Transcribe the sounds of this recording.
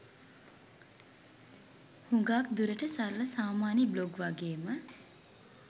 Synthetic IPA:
huŋɡaːkd̪uɾəʈəsaɾələsaːmaːnibloɡʋaɡeːmə

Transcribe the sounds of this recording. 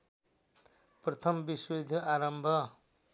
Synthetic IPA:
prʌt̪ʰʌmbiswed̪ʱaɾʌmbʱʌ

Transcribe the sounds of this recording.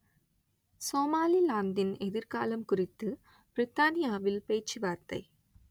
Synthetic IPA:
soːmaːlilaːnd̪ɪnɛðɪɾkaːlɐmkʊrɪt̪ːɯ | b̥ɾɪt̪ːaːnɪjaːʋɪlpeːt͡ʃːiʋaːɾt̪ɐ̰ɪ

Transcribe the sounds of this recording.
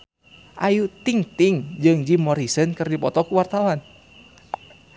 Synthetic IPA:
ʔajut̪iŋt̪ɪŋd͡ʒɨŋd͡ʒimɔɾisənkɨrdipɔt̪ɔkuwart̪awan

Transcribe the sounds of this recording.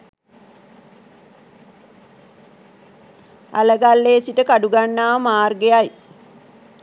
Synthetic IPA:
a̰ləɡalːeːsiʈəkaɖuɡanːaːmaːrɡeaj

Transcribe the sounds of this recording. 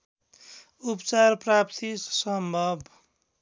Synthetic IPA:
upt͡sarprapt̪ʰisʌmbʱʌb

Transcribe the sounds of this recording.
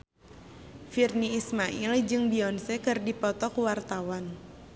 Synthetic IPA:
firniːsmaʔild͡ʒɨŋbiɔnsɛkɨrdipɔt̪ɔkuwart̪awan

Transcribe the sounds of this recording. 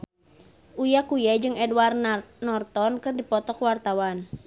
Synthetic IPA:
ʔujakujad͡ʒɨŋɛdwarnɔrt̪ɔnkɨrdipɔt̪ɔkwart̪awan

